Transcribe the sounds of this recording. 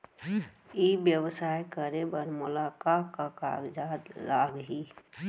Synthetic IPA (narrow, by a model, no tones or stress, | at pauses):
ibjəwsaːjkəɾebəɾmʊlaːkaaka̰ɡd͡ʒaːd̪laːɡɦi